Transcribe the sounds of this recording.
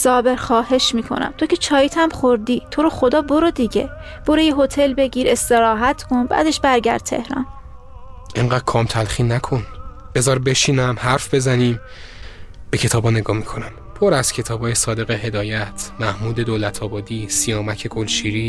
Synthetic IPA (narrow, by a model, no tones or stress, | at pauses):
sɒːbe̞ɾxɒːhe̞ʃmiːkʰo̞̰næ̰mt̪ʰo̞kʲe̞t͡ʃʰɒːjet̪ʰæmχoɾd̪iːt̪ʰo̞ɾoxo̞d̪ɒːboɾod̪iɟe̞̰ | b̥o̞ɾejeɦot̪ʰe̞lbe̞ɟiːɾe̞st̪eɾɒːɦæt̪ʰkʰo̞nbæ̰ːd̪e̞ʃbæɾɟæ̰ɾd̪̚t̪ʰe̞̰hɾɒ̰n | ʔeŋɢæːd̪̥̚kʰɒːmt̪ʰælχiːnækʰo̞n | b̥e̞zɒːɾbe̞ʃiːnæmhæɾfbe̞zæniːm | b̥e̞cʰe̞t̪ʰɒːbɒːne̞ɡɒːmikʰo̞næm | pʰo̞ɾæz̥cʰe̞t̪ʰɒːbɒːje̞sɒːd̪e̞ɣehe̞d̪ɒːjæt̪ʰmæhmuːd̪e̞d̪oːlæt̪ʰɒːbɒːd̪iːsijɒːmæcʰe̞ɡʰolʃiːɾiː